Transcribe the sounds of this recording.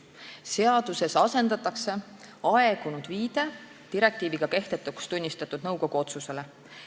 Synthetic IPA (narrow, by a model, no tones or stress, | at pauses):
se̞ɑd̪̥use̞sɑse̞nd̪̥ɑt̪ːˑɑkse̞ | ɑeɡ̥unud̪̥viːd̪̥e̞ | t̪iɾe̞k̚t̪iːviɡ̥ɑke̞ht̪e̞t̪ːˑukst̪unʲːist̪ɑt̪ːˑud̪̥nɤwɡo̞ɡ̥uo̞t̪suse̞le̞